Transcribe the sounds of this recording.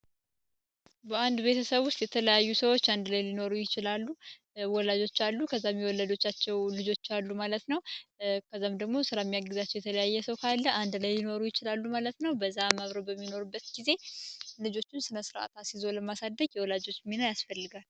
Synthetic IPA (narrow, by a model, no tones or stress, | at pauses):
bəand̪be̞t̪ʰəsəβʊst̪jɛt̪ʰələjajːusəwo̞t͡ʃːand̪lajlino̞ɾujɪt͡ʃɪlalːu | wɔlad͡ʒo̞t͡ʃːalːukʰəzːamːiwɔlːad͡ʒo̞t͡ʃːat͡ʃːɛwlɨd͡ʒo̞t͡ʃːalːumalət̪nəwkʰəzːamd̪əɡmo̞sɨɾamːijaɡɨzat͡ʃːɛwjɛt̪ʰələjajːɛsəwkʰalːəand̪lajlino̞ɾujɪt͡ʃɪlalːumalət̪nəwbəzːamaβɾəbəmːino̞ɾubːət̪ɡize̞lɨd͡ʒo̞t͡ʃːɪnsɨnəsɨɾʔa̰t̪ʰasizo̞ləmasad̪ːəɡjɛwɔlad͡ʒo̞t͡ʃːminaljasfəlːɨɡal